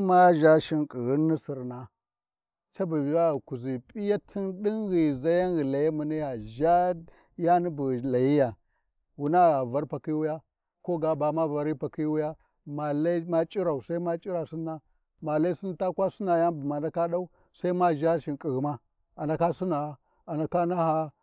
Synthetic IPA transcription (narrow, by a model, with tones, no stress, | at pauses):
ma˦ʒa˦ʃi˨nkʼi˨ɣi˦nːi˦si˨ɾna˨ | t͡ʃa˦bu˨a˦˨ku˨zi˨pʼi˦ja˦tʰi˦nɗi˦nɣi˨za˦ja˦nɣi˨la˨ja˦mu˨ni˦ja˨ʒa˦ | ja˦ni˦bu˨la˨ji˦ja˨ | wu˨na˦˨ɣa˨va˦ɾpa˨ki˦wu˦ja˦ | ko˦ɡa˨ba˨ma˦va˨ɾi˦pa˨ki˦wu˦ja˦ | ma˨la˦i˦ma˦t͡ʃʼi˦ɾa˨u˨sa˦i˦ma˦t͡ʃʼi˦ɾa˨si˦nːa˦ | ma˨la˦i˦si˦n˦ta˦kwa˦su˦na˨ja˦nbu˨ma˨na˦ka˦ɗa˦u˦ | sa˦i˦ma˦ʒa˦ʃi˨nkʼi˨ɣi˨ma˦ | a˨na˨ka˦su˦na˨˦ | a˨na˨ka˦na˦ha˦